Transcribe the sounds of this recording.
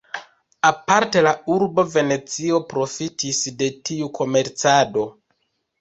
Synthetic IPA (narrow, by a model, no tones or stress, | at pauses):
apaɾte̞lauɾbo̞ve̞ne̞t͡sio̞pɾo̞fitʰisde̞tiukʰo̞me̞ɾt͡sado̞